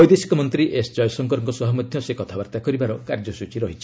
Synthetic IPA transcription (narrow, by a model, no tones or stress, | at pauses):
ɔjd̪esi̥kɔmɔnt̪ɾiʔesd͡ʒɔjsɔŋkɔɾɔŋkɔsɔɦɔmɔd̪ʱjɔsekɔt̪ʰabaɾt̪akɔɾibaɾɔkaɾd͡ʒɔsut͡ʃiɾɔɦit͡ʃʰi̥